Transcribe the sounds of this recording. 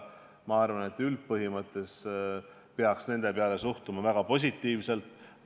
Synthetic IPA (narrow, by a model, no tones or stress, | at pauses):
mɑɑrvɑne̞t̪ːˑylt̪̚pɤɦimɤt̪ˑːe̞s | peɑksne̞nd̪̥e̞peɑle̞suht̪umɑvæɡ̥ɑpo̞s̬ʲit̪ːiːvse̞lt̪ˑ